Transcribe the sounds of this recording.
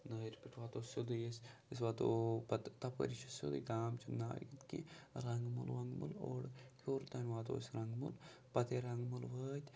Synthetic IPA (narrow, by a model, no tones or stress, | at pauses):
nəːɾʲpiʈʰʋaːt̪oːsod̪ɨjesʲisʋat̪opɐt̪t̪ɐpə̰ɾit͡ʃʰisjo̰d̪ɨ̰ɡaːmt͡ʃʰina̰ːjit̪kiɾɐŋɡmṵlʋɐŋɡmṵloːɽkʲʰoːɾt̪ɐnʲʋaːt̪o̰ːsʲɾɐŋɡmṵl | pɐt̪eɾɐŋɡmulʋəːt̪ʲ